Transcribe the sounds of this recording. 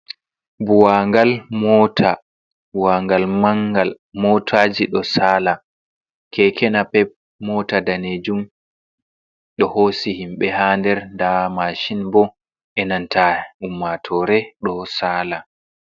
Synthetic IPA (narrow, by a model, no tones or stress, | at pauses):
buwaŋɡalmɔtʰa | buwaŋɡalmaŋɡal | mɔtʰaːd͡ʒiɗɔsaːla | kʰɛkʰɛnapɛp̚ | mɔtadaned͡ʒum | ɗɔhoːsihimɓɛhandɛɾndamaʃinbɔ | ʔɛnantʰaumːatʰɔɾɛɗɔsaːla